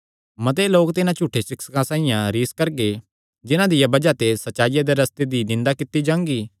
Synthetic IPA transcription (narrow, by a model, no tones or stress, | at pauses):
mɐt̪̬eloːkt̪ɪnãt͡ʃuːʈʰːesɪksə̥kãsãːɪ̃jãɾiːskɐɾɡe | d͡ʒɪnãd̪ɪjabɐd͡ʒat̪esɐtːt͡ʃaːɪjad̪eɾɐst̪ed̪inɪ̃nd̪akɪt̪ːid͡ʒãːŋɡiː